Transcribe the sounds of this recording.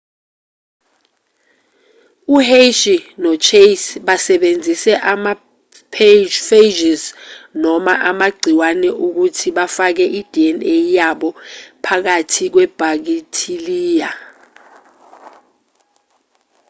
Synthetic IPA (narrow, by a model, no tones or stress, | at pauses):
uheʃinɔt͡ʃʰesɓasɛɓend͡zʱisɛʔama | pʰfed͡ʒiznɔmaʔamaɡ͡ǀʱiwanɛʔuk̬utʰiɓafak̬ɛʔid̥ʱiɛnejaɓɔpʰak̬atʰik̬wɛb̥ʱak̬itʰiliːja